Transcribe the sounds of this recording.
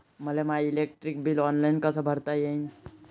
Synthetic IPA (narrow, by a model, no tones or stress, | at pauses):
məlemaɪleːk̚ʈɾɪk̚bilɔːnlaɪnkasəbʱəɾt̪ajaĩ